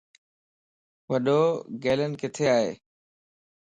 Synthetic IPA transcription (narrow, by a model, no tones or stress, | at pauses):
ʋɐɗoːɡeːlənɪ̆kɪt̪ʰeaːɦḛː